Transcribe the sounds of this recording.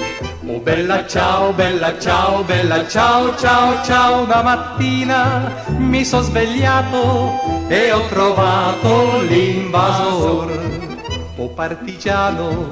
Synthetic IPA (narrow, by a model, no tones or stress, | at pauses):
o̰bɛlːat͡ʃaːobɛlːat͡ʃaːwobɛlːat͡ʃaot͡ʃaːot͡ʃawonamat̪ːiːnamisɔzveʎːaːt̪o | eɔkːɾovaːt̪oliɱvazozr | ɔpːart̪id͡ʒaːno